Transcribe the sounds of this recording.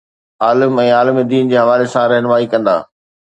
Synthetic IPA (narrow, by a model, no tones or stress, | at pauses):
aːləmɛ̃ːaːlmid̪iːnd͡ʑeːɦɐʋaːlesãɾɛɦnʋaːikɐ̃nd̪a̰ː